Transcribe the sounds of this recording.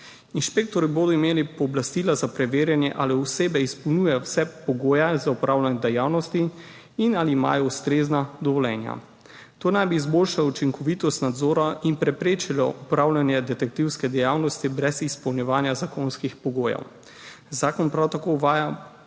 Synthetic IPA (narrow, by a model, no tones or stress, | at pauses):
inʃpek̚t̪ɔɾiboːd̪ɔimeːlipɔːblast̪ilazapɾɛʋeːɾjanjɛʔaliuseːbɛispɔwnjuːjɛjɔwsɛpɔɡoːjazaupɾaːwlanɛd̪ɛjaːwnɔst̪i | inaliːma̰ːjɔust̪ɾeznad̪ɔʋɔlɛːnja̰ | t̪oːnajbiːzboːlʃalɔut͡ʃiŋkɔʋit̪ɔst̪nad̪zoːɾainpɾɛpɾeːt͡ʃilɔ̰ʔupɾawlʲanjɛd̪ɛt̪ɛk̚t̪iwskɛd̪ɛjaːwnɔst̪ibɾɛzispɔwnjɛʋaːnjazakoːnskixpɔɡoːjɛ̰w | zaːkɔnpɾawt̪akouʋaːja